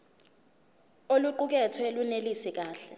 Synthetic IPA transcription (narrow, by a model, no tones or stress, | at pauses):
oluǃuk̬ɛtʰɔelunelisik̬aːɬɛ